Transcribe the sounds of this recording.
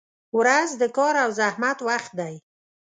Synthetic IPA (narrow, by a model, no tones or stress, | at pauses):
wɾazd̪əkɑɾawzahmat̪waxt̪̚d̪aj